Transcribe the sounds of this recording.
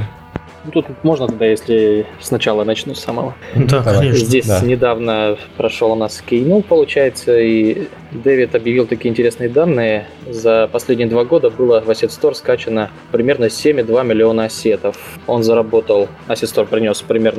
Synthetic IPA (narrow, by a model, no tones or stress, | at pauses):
nut̪ut̪mo̞ʐnət̪ʊd̪ajesʲlʲɪsnɐt͡ɕalˠənɐt͡ɕnusaməvod̪zʲdʲesʲnʲɪd̪avnəpɾɐʂolˠʊnaskʲɪjnupəlˠʊt͡ɕæjɪt̪səi | d̪evʲɪt̪ɐbjɪvʲilˠt̪ɐkʲiəɪnʲtʲɪɾʲesnɨjəd̪anːɨjə | zəpɐsʲlʲedʲnʲɪjəd̪vaɡo̞d̪əbɨlˠəvɐsʲɪt̪st̪o̞rskat͡ɕɪnə | pɾʲɪmʲe̞rnəsʲemʲɪd̪vamʲɪlʲɪo̞nəɐsʲe̞t̪əf | o̞nzəɾɐbo̞t̪əlˠ | ɐsʲɪt̪st̪orpɾʲɪnʲo̞spɾʲɪmʲe̞rnə